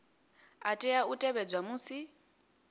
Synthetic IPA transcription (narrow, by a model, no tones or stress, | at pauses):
atʼɛautʼɛβɛd͡zwamuːsi